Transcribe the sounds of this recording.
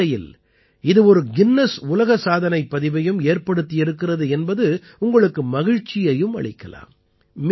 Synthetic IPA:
ɐjɪ̰l | ɪðɯɔɾɯɡɪnːɐsʊlɐɣɐsaːðɐnɐɪpːɐðɪʋɐjɯmeːrpɐɽɯt̪ːɪjɪɾɯkːɪrɐðɯɛnbɐðɯ | ʊŋɡɐɭɯkːɯmɐɣɪɻt͡ʃːɪjɐjɯmɐ̰ɭɪkːɐla̰ːm | m

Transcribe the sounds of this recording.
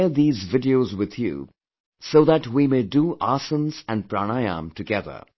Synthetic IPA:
əd̪iːzvɪɖiozwɪð̥jṵː | soʊðætwimeɪduʔasə̃nzæ̃npɾañaɪjã̰mtɨɡɛðə̰˞

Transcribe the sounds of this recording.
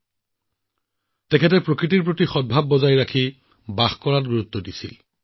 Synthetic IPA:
tɛkʰɛtɛpɹokɹitiɹpɹotixɔd̚bʱab̚ːɔzajɹakʰi | baxkɔɹatɡuɹut̪ːɔdisḭl

